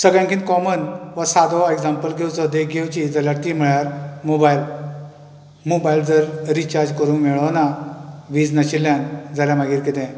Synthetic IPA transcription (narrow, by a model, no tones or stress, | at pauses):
səɡjãŋkʰĩːnt̪̚kɔmənʋasad̪ɔeɡd͡zãmpəlɡʱewt͡sɔd̪eɡʱewt͡ɕid͡zaljaɾt̪iːm̤iɭjaɾmobail | mobaild͡zəɾɾit͡ɕaɾd͡ʑkəɾũŋkmeɭɔnaʋiːd͡znəɕiljãnd͡zaljamaɡiːɾkit̪ɛ̃